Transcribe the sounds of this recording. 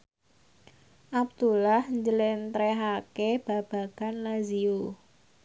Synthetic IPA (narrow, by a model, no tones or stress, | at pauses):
ʔab̚d̪̥ulahɲd͡ʒəlɪnt̪ɾeɦakeb̥a̤b̥a̤ɡ̥anlazio